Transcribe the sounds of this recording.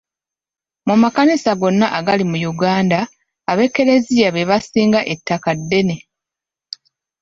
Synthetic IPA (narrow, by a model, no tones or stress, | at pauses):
mumakanisaɡo̞nːaʔaɡalimujuɡaːndaː | βe̞kːe̞ɾe̞zijaβe̞βasiːŋɡaʔe̞tʰːakadːe̞ne̞